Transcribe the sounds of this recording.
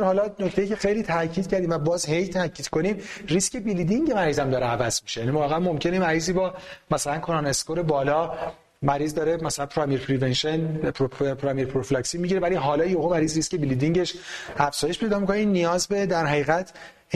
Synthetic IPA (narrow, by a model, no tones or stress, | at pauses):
hɒːlɒːnoct̪e̞jice̞xe̞jliːt̪ʰæcʰiːd̪̚cʰæɾd̪imvæbɒːzhejt̪ʰæcʰiːd̪̥kʰo̞niːmrisce̞bilid̪iŋɟe̞mæɾiːzæmd̪ɒːɾeævæzmiʃejænivɒːɣeæmo̞mcʰe̞nemæɾiːziːbɒːmæsælænkʰoɾɑneskoɾebɒːlɒː | mæɾiːzd̪ɒːɾemæsælænpʰɾɒmijeɾpʰɾivenʃen | pʰɾɒmieɾpʰɾofilɑcsimiɟiɾevæliɦɒːlɒːjoɣumæɾiːzɾisce̞bilid̪iŋɟe̞ʃæfz̥ɒːje̞ʃpʰe̞jd̪ɒːmikʰoneiːnːijɒːzbe̞d̪æɾɦæiːɣæt̪ʰ